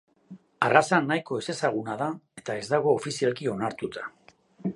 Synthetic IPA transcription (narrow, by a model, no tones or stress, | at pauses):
arasanːajko̞e̞se̞saɣ̞unað̞ae̞t̪ae̞zd̪aɣ̞o̞ːfisialkio̞naɾt̪ut̪ʰḁ